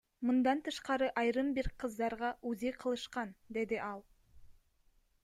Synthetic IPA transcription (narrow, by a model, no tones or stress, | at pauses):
mund̪ɑnt̪ʰɯʃqɑɾɯʔɑjɾɯmbiɾqʰɯzd̪ɑɾʁɑʔʉzijqʰɯlˠɯʃqɑnd̪e̞d̪iʔɑlˠ